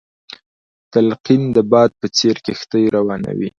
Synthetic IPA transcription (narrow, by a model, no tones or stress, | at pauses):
t̪alqind̪əbɑd̪̚pət͡seɾkext̪əjɾawɑna̰wḭ